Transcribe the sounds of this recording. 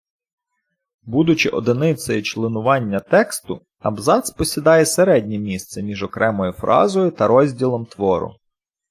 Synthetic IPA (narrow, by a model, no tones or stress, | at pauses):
bud̪ʊt͡ʃɪʔɔd̪ɪnɪt̪sɔjit͡ʃlˠɪnʊʋɑnʲːɐt̪ɛkst̪ʊ̰ | ɐbzɑt̪spɔsʲid̪ɑjɛseɾɛdʲnʲimʲist̪sɛmʲiʒɔkɾɛmɔjʊfɾʔɑ̰zɔjʊt̪ɐɾɔzʲdʲilˠɔmt̪ʋɔɾʊ̰